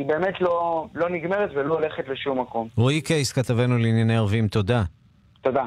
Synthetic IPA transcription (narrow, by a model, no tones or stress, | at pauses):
ibe̞ːmetlo̞lo̞niɡme̞ʁet̪veloːleχetleʃumːako̞moikeiskat̪avenuliːnjaneaʁvimt̪o̞d̪a | t̪o̞d̪a